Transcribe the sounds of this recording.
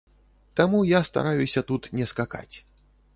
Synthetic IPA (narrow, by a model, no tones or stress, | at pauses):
t̪amujast̪a̰ɾajusʲɐt̪ut̪nʲɛskaka̰t͡sʲ